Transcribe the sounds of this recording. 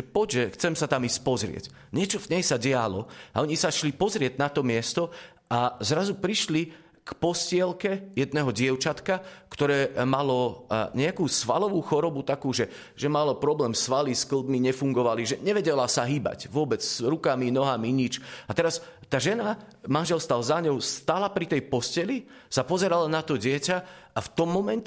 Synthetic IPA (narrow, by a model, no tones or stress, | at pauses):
ʒɛpɔɟʒɛxt͡sɛmsat̪amisc̚pɔzɾɪɛ̰c | ɲɪɛt͡ʃɔvɲɛjsaɟɛalɔaɔɲisaʃlipɔzɾɪɛɟnat̪ɔmɪɛst̪ɔ | azɾazupɾiʃli | kpɔscɪɛlkɛjɛd̪nɛɦɔɟɪɛʊt͡ʃat̪kakt̪ɔɾɛːmalɔɲɛakuːsʋalɔʋuːxɔɾɔbut̪akuːʒɛ | ʒ̥ɛmalɔpɾɔblɛːmsʋaliskl̩ˠd̪miɲɛfuŋɡɔʋaliʒɛɲɛʋɛɟɛlasaɦiːba̰cʋʊɔbɛd͡zzɾukaminɔɦamiɲit͡ʃat̪ɛɾast̪aːʒɛnamanʒɛlst̪alzaɲɔʊst̪aːlapɾit̪ɛjpɔscɛli | sapɔzɛɾalanat̪ɔɟɪɛcaaft̪ɔmːɔmɛn